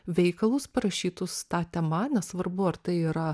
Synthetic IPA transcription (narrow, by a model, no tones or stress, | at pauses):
ʋʲɛɪkɐlˠʊspɐɾɐʃʲiːt̪ʊst̪ɑːt̪ʲɛmɐnʲɛssʋɐɾbʊɐɾt̪ɐɪiːɾɐ